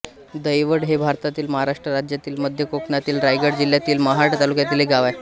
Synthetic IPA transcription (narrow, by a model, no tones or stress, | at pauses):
d̪əjʋəɽɦebʱaɾt̪at̪iːlməɦaɾaʂʈɾəɾad͡ʑjat̪iːlməd̪ʱjəkoknat̪iːlɾajɡəɽd͡ʑilːjat̪iːlməɦaʈt̪alukjat̪iːlɦeɡaʋaj